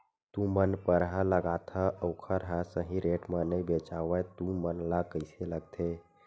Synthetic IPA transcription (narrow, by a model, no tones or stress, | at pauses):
t̪ũmənpəɾɦə̃ləɡat̪ʰəʔəʊkʰəɾɦə̃səɦĩɾeʈmənəbet͡ʃaʋət̪ũmənlakəɪseləɡ̚t̪ʰe